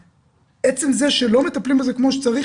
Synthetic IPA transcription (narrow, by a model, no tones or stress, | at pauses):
ʔet͡se̞mze̞ʃelo̞me̞t̪aplimaze̞kmo̞ʃet͡saʁi